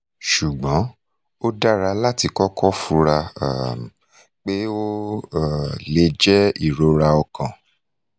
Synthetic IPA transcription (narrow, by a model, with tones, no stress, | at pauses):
ʃu˨ɡ͡bɔ̃˨˦ | o˦da˦ɾa˧la˦˨ti˧kɔ˦kʰɔ˦fu˧˦ɾa̰˧˨ | k͡pe˦o˦˨ | le˧˦d͡ʒɛ˦i˦˨ɾo˨˦ɾa˧ɔ˧kã˨